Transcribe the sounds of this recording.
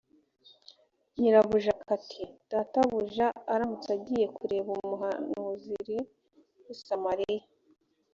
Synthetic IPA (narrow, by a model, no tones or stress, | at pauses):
ɲiɾaβuʒakʰatʰid̥aːtaβuʒaːɾamut͡saɟije̞kʰuɾe̞βumuɦanuziɾi | wisamaɾija